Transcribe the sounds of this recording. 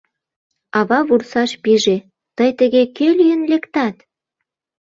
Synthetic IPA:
ɑβɑβursɑʃpiʒe | t̪əjt̪ə̆ɣekelyjənlekt̪ɑt̪

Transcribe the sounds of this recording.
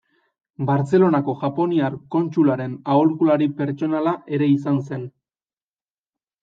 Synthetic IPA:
baɾt͡se̞lo̞nako̞ʝapo̞niaɾko̞nt͡ʃulaɾe̞nauɾkulaɾipe̞ɾt͡ʃo̞nalaʔe̞ɾe̞is̬anse̞n

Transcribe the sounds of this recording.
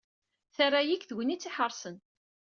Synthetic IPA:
θarˤːajikθwənit͡sːiħəɾˤsən

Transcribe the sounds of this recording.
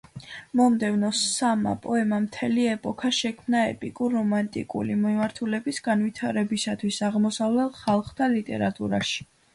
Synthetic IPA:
mɔmd̪ɛvnɔsama̰pʼɔɛmamt̪ʰɛliɛpʼɔkʰaʃɛkʰmnaɛ̰pʼikʼuɾːɔmant̪ʼḭkʼṵlimimaɾt̪ʰulɛbisɡ̥anwit̪ʰaɾɛbisat̪ʰwisaʁmɔsavlɛlˠχalˠχt̪ʰalit̪ʼɛ̰ɾat̪ʼṵɾa̰ʃi̥

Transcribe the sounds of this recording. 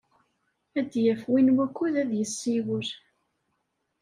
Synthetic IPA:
æd̪jæfwinwækːuðæðjəsːiwəɾ

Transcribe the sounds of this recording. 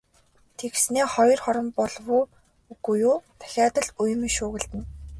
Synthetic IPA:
t̪ʰeɣsneːχɔjɞ̆rχɔɾɞ̆mpɔɮwʊː | ɡujuːt̪ʰæ̥xʲaːt̪ə̆ɮujmiʃʊːɣɘ̆ɮt̪ɘ̆n

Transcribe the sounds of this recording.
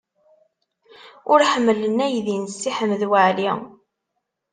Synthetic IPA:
ʊɾħəmːələnæjðinsːiħəmðwəʕli

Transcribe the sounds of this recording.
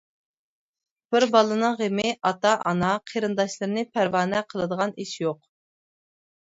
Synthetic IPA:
b̥ɪɾbɑlˠɨnɨŋʁemɪʔɑt̪ɑʔɑ̰nɑqʰeɾɨnd̪ɑʃlˠɨɾɨnɪpʰæɾwɑːnɛqʰəlˠɨd̪əʁɑniʃjoq̚

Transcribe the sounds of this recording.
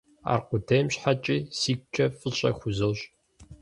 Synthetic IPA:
a̰ːrqʷʊdʰejmɕħat͡ʃʼiːsiːk̚ʷʼt͡ʃʰɐfʼɨɕʼɐxʷʊzɨɕʼ

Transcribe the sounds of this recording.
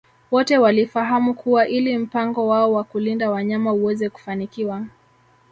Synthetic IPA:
wɔtɛwalifaɦamukuwaʔilim̩paŋɡɔwaɔwakulindawaɲamauwɛzɛku̥fanikiwa

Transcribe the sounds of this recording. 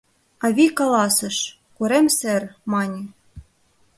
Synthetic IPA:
ɑβʲikɑlˠɑsɤ̆ʃ | kuɾemsɘrmɑnʲĭ

